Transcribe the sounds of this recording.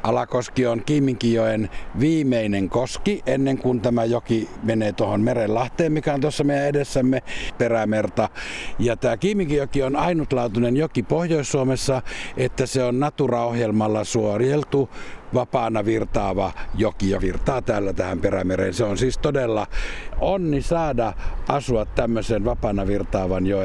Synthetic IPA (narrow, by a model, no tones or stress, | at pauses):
ʔɑlɑkoskioŋkiːmːiŋkijoenʋiːmeineŋkoskiʔenːeŋkunt̪æmæjokimeneːt̪uohonmerellɑht̪eːmmikæont̪uosːɑmeijæedesːæmːeperæmert̪ɑjɑt̪æːkiːmːiŋkijokionɑinut̪lɑːt̪unenjokipohjoissuomesːɑet̪ːæseonnɑt̪urɑohjelmɑlːɑsuorjelt̪uʋɑpɑːnɑʋirt̪ɑːʋɑjokijoʋirt̪ɑːt̪æːlːæt̪æhæmperæmerḛnseonsiːst̪odelːɑonːisɑːdɑʔɑsuɑt̪t̪æmːøsenʋɑpɑːnɑʋirt̪ɑːʋɑnjo